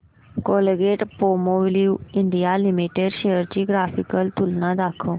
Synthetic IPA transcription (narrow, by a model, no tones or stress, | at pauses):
kolɡeʈpomoʋliuɪɳɖijalimiʈeɖʃejəɾt͡ɕiɡɾaːfikəlt̪ulnãd̪aːkʰo